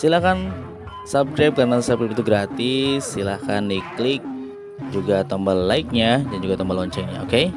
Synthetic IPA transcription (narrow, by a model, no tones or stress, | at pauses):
silahkan | sap̚skɾap̚kaɾnasap̚kɾɛp̚it̪uɡɾat̪ɪsːilahkandiklɪk̚ | d͡ʒuɡat̪əmballaik̚ɲadand͡ʒuɡat̪əmbalɔɲt͡ʃɛɲa̰oke